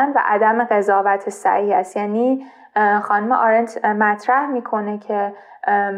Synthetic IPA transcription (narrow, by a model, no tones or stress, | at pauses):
nvæ̰ʔæd̪æmeɣe̞zɒːvæt̪ʰesæ̰hiːhæst̪jæːniː | xɒːnumeʔɒɾend͡ʒmæt̪ʰɾæhmiːkʰo̞necʰe